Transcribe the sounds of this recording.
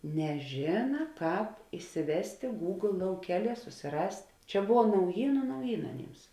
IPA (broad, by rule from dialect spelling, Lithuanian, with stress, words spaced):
nʲɛˈʒʲeːnɐ ˈkɑːp ɪsʲɪˈʋʲæːsʲtʲeː ɡuːɡlˠ lˠɐʊˈkʲæːˌlʲiɛ sʊsʲɪˈrɐsʲtʲ ˈt͡ʃʲɛ ˈbʊʋɐ nɐʊˈjiːnʊ nɐʊˈjiːnɐ ɐˈnʲiːms